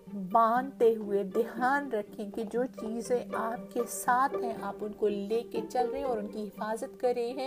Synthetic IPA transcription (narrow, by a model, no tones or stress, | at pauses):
bãːnd̪t̪eɦʊed̪ɪɦaːnɾɐkʰẽkid͡ʒoːt͡ʃiːzẽaːp̚kesaːt̪ʰɦɛ̃ʔaːpʊnkoleːket͡ʃɐlɾɐẽɔːɾʊnkiɦɪfaːzət̪kɐɾẽɦɛ̃ː